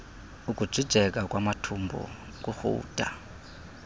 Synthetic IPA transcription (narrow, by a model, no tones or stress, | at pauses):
ukʼu̥b͡ʐʱid̥ʒ̥ʱɛkʼakʼwʔamatʰumbʱɔ̰ | k̬ʼuxṵːd̥ʼʱa